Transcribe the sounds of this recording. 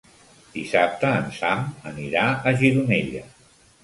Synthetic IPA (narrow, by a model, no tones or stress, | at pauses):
d̪̥isap̚t̪əːnsaməniɾaəʒiɾuneʎə